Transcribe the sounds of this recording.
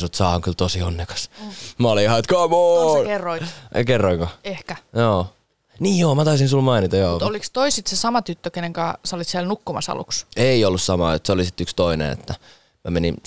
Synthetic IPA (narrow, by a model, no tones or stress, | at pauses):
sut̪sɑːɑŋkylt̪osionːekɑ̥smɑlihɑit̪kɑːmoːkerːoḭkerːoiŋkoehkæjoː | niːjjoːmæt̪ɑysĩnsulmɑinit̪ɑjoːut̪olikst̪oisit̪sesɑmɑt̪yt̪ːøkeneŋkɑsolit̪siælnukːumɑsɑ̰lṵkseiolːussɑmɑ̰ːjot̪solisit̪ːykst̪oinḛnḛt̪ːæ | mæmenin